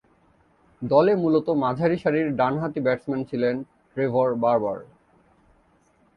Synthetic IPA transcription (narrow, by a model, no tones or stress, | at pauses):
d̪ɔlemulot̪omad͡ʑʱaɾiʃaɾiɾɖanɦat̪ibɛʈsmɛnt͡ɕʰilen | ɖɾebʱoɾbaɾba̰ɾ